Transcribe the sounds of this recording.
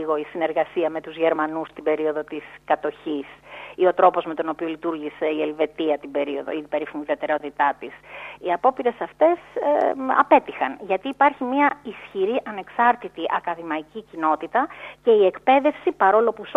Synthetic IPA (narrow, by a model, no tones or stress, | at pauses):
iɣo̞isine̞ɾɣɐsiɐme̞t̪uzʝe̞ɾmɐnust̪ibe̞ɾio̞ðo̞t̪iskɐt̪o̞çisio̞t̪ɾo̞po̞zme̞t̪o̞no̞pio̞lit̪uɾʝise̞ielve̞t̪iɐt̪ibe̞ɾio̞ðo̰ipe̞ɾifiniðiɐt̪e̞ɾot̪it̪ɐt̪isiɐpo̞piɾe̞sɐft̪e̞sɐ̰pe̞t̪ixɐnʝɐt̪iːpɐɾçimɐisçiɾiʔɐne̞ksɐɾt̪it̪iʔɐkɐðimɐicicino̞t̪it̪ɐce̞ie̞kpe̞ðe̞fsipɐɾo̞lo̞pus